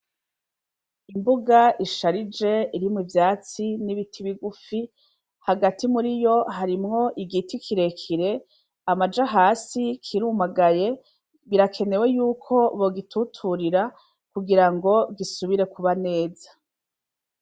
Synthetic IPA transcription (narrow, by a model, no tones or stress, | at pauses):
imbuɡaiʃaɾid͡ʒe̞iɾimwivjaːt͡siniβitʰiβiɡufi | haɡatimuɾijo̞ɦaɾimŋo̞ʔiɡitikʰiɾe̞kʰiɾe̞ | amad͡ʒaɦaːsikʰiɾumaɡaje̞ | βiɾakʰe̞ne̞we̞juːkʰo̞βoɡitʰutʰuɾiɾa | kuɡiɾaŋɡo̞ɡisuβiɾe̞kuβane̞ːzḁ